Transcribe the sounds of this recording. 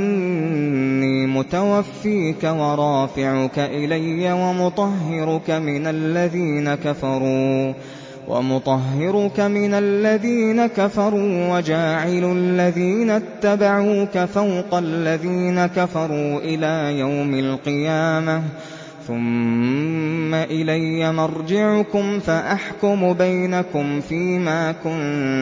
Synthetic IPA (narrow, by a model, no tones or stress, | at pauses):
iːmʊt̪awafːiːkawɑɾˤɑːfɪʕʊkaʔɪlajːawamʊt̪ˤɑɦːɪɾʊkamɪnalːaðiːnakafɑɾˤuː | wʔa̰mʊt̪ˤɑɦːɪɾʊkamɪnalːaðiːnakafɑɾˤuːwad͡ʒaːʕɪllːaðiːnat̪ːabaʕuːkafawqɑlːaðiːnakafɑɾˤuːʔɪlaːjawmalqɨjaːma | θʊm | aʔɪlajːamɑɾˤd͡ʒɪʕʊkʊmfaʔaħkʊmʊbajnakʊmfiːmaːkʊn